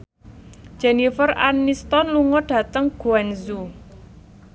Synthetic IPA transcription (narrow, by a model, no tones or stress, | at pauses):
d͡ʒ̥ɛnifəra̰nist̪ɔnluŋɔɖ̥ä̤t̪əŋɡ̥uɛnzu